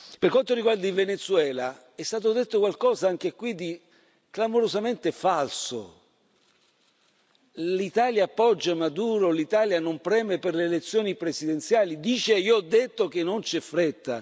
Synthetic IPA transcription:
perkwant̪oɾiɡward̪ailvenet̪suɛːla | ɛst̪aːt̪od̪et̪ːokwalkɔːzaaŋk̟ekwid̪i | klamoɾozament̪efalso̰ | lit̪aːljaːpːɔd͡ʒːamad̪uːɾolit̪aːljanompɾɛːmeperleːlet̪sːjoːnipɾesid̪ent̪sjaːlid̪iːt͡ʃeioɔd̪ːet̪ːok̟enːont͡ʃɛfɾet̪ːa

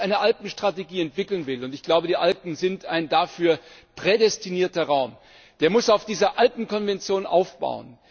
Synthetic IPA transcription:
ʔaɪnəʔalpn̩ʃtʁ̥ateɡiːɛntv̥ɪkl̩nvɪlʊntɪçɡ̥laʊbədiːʔalpn̩zɪntaɪndaːfyːɐpʁ̥edɛstiniːɐtɐʁaʊm | d̥eːɐmʊsaʊfd̥iːzɐʔalpn̩kʰɔnvɛnt͡sjoːnʔa̰ʊfb̥a̰ʊə̰n

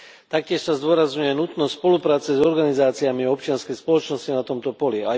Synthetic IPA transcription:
t̪ak̚cɪɛʃsazd̪ʊɔɾazɲujɛnut̪nɔsspɔlupɾaːt͡sɛzɔɾɡanizaːt͡siamiɔp̚t͡ʃɪanskɛjspɔlɔt͡ʃnɔscinat̪ɔmt̪ɔpɔlia

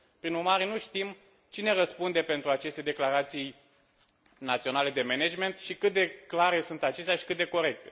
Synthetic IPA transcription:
pɾinurmaɾe̞nuʃt̪im | t͡ʃine̞rəspund̪e̞pe̞nt̪ɾuat͡ʃe̞st̪e̞d̪e̞klaɾat̪sij | nat̪sio̞nale̞d̪e̞mened͡ʒme̞nt̪ʃikɨt̪̚d̪e̞klaɾe̞sunt̪at͡ʃe̞st̪ejaʃi̥kɨt̪̚d̪e̞ko̞ɾe̞k̚t̪e̞̥

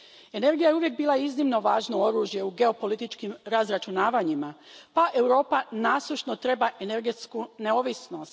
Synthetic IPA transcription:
e̞ne̞ɾɡijajeuʋje̞k̚biːlaiznimno̞ʋaːʒnoo̞ɾuːʒje̞uɡe̞o̞po̞lit̪it͡ʃkimɾazɾat͡ʃunaːʋaɲimapaʔe̞wɾo̞ːpanaːslˠuʃno̞t̪ɾe̞baʔe̞neɾɡet̪skune̞o̞ʋisno̞st̪

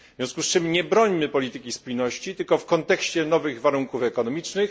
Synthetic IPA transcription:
vvʲjɔ̃skust͡ʂɘmɲɛbɾɔɲmɘpɔlʲit̪ɘkʲispujnɔɕt͡ɕit̪ɘlkɔfkɔnt̪ɛkɕt͡ɕɛnɔvɘɣvaɾuŋkufɛkɔnɔmʲit͡ʂnɘx

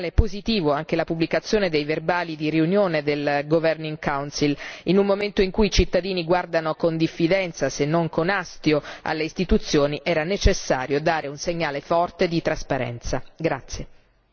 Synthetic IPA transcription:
lepozit̪iːvoaŋk̟elapubːlikat̪sːjoːned̪ejverbaːlid̪iɾiunjoːned̪elɡovɛrniŋkawnsilinummoment̪oiŋkuit͡ʃit̪ːad̪iːniɡward̪anokond̪ifːid̪ɛnt̪sasenːoŋkonast̪joa̰lːeist̪it̪ut̪sːjoːniʔɛːɾanet͡ʃesːa̰ːɾjod̪aːɾeunseɲːaːlefɔrt̪ed̪it̪ɾaspaɾɛ̰nt̪saɡɾat̪sːje

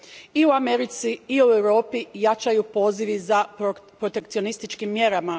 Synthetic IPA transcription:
iuameɾit̪siiuewɾo̞ːpijat͡ʃajupo̞ːziʋizapɾot̪e̞kt̪sio̞nist̪it͡ʃkimːje̞ɾama

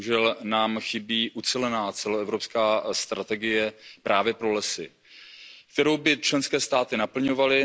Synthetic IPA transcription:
uʒɛlnaːmxɪbiːʔut͡sɛlɛnaːt͡sɛloɛvɾo̞pskaːst̪ɾat̪ɛɡɪjɛpɾʔaːvjɛpɾo̞lɛsɪ | k̚t̪ɛɾo̞wbɪt͡ʃlɛnskɛːst̪aːt̪ɪnapl̩ɲo̞valɪ

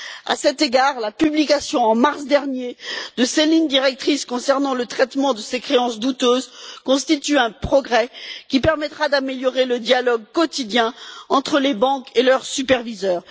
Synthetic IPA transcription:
a̰sɛt̪eɡaʁlapyblikasjɔ̃ɑ̃maʁsd̪ɛʁnjed̪əselind̪iʁɛk̚t̪χiskɔ̃sɛʁnɑ̃lət̪χɛt̪mɑ̃d̪əsekχeɑ̃sd̪ut̪øːzkɔ̃st̪it̪yɛ̃pχɔɡʁɛkʲipɛʁmɛt̪χad̪ameljɔʁeləd̪jalɔɡ̚kɔt̪id̪jɛ̃ɑ̃t̪χəlebɑ̃kelœʁsypɛʁvizœːʁ

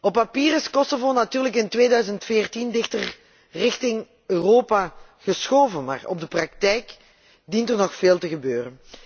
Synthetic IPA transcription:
ɔpːapiːrɪskɔsovonatyːrləkɪntʋeːdœɥzəntfɪːrtindɪxtər | rɪxtɪŋ | øːroːpaːɣəsxoːvənma̰ːrɔ̰b̚dəprɑk̚tɛjk | dintərnɔxfeːlˠtəɣəbøːrən

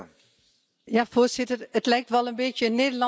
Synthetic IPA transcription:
jafoːrsɪtərətlɛjk̚tʋɛlˠənbeːtjəneːdəlɑ

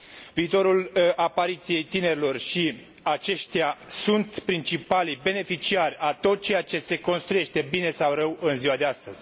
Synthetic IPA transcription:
viːt̪o̞ɾulapaɾit̪sije̞jt̪ine̞ɾʲilo̞rʃi | at͡ʃe̞ʃt̪jasunt̪pɾint͡ʃipalibe̞ne̞fit͡ʃiarʲat̪o̞t̪̚t͡ʃe̞jat͡ʃe̞se̞ko̞nst̪ɾuje̞ʃt̪e̞bine̞sawrəwɨnziwad̪east̪əz̥ʲ

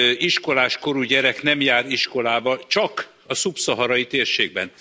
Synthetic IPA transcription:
iʃko̞laːʃko̞ɾuɟɛɾɛkn̪ɛmjaːɾiʃko̞laːbɒt͡ʃɒk | ɒsupsɒɦɒɾɒjit̪eːrʃeːɡ̚bɛn

